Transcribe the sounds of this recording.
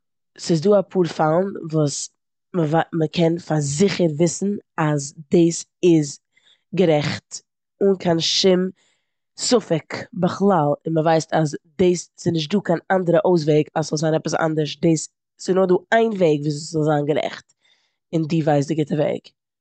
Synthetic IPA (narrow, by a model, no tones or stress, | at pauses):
sɪzduːapʰuːɾfalˠn̩vuːs | məvaməkʰɛnfaɾzɪχəɾvɪsn̩azdeːsɪz | ɡəɾɛχt | ʊnkʰanʃɪm | sʊfɪkbəχlˠalˠɪnməvaɪstasdeːsːɪznɪʃ̬t̚duːkʰanandəɾəʔoʊs̬veɪɡasz̥ɔlˠzaːnɛpəsa̰ndəɾʃdeːs | sɪnʊχduːaɪnveɪɡviːs̬zɔlˠzaːnɡəɾɛ̰χt | ɪndiːvaɪs̬dɪɡɪtəvḛɪɡ